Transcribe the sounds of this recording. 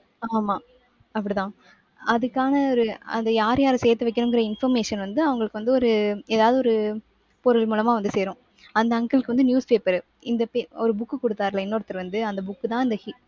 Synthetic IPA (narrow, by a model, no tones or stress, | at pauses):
aːmaː | ɐpːɐɽit̪ãː | ɐðɯkːaːnɐɔɾɯɐ̰nd̪ɐjaːɾjaːɾɯsɛːɾt̪ːɯʋɛɪkːɐnʊŋɡɪɾɐɪnfɐɾmeːʂɐnʋɐnd̪ɯɐʋɐŋɡɐɭɯkːɯʋɐnd̪ɯɔɾɯeːðaːʋðɯɔɾɯ | pɔɾɯɭmuːlɐmaːʋɐnd̪ɯseːɾʊ̃ː | ɐnd̪ɐːŋɡɐlɯkːɯʋɐnd̪ɯnjuːspeːpɐɾ | ɪnd̪ɐpeɔɾɯbʊkːɯkɔɽɯt̪ːaːɾlɐɪnːoːɽɐt̪ːɪɾʋɐnd̪ɯɐnd̪ɐbʊkːɯt̪ãːɪnd̪ɐhi